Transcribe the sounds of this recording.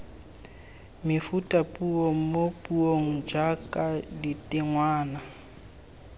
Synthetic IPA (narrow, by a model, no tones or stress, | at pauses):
mɪfutʼapʼuoŋ̩mopʼuoŋ̩d͡ʒakʼaditʼɪŋwaːna